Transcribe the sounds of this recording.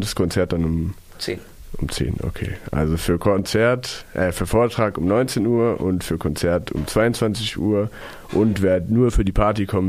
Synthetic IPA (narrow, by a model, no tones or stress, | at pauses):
d̥askʰɔnt͡sɛɐt̚d̥anʊm | t͡se | ʔʊmt͡sḛːnʔo̰kʰḛːʔa̰lzofyːɐkʰɔnt͡sɛɐtʔɛːfyːɐfoːɐtʁ̥aːkʊmnɔʏnt͡seːnuːɐʔʊntfyːɐkʰɔnt͡sɛɐtʰʊ̰mt͡sv̥aɪʊnt͡sv̥ant͡sɪçʔṵːɐ | ʔʊntv̥eːɐnuːɐfyːɐdiːpʰaɐtikʰɔmə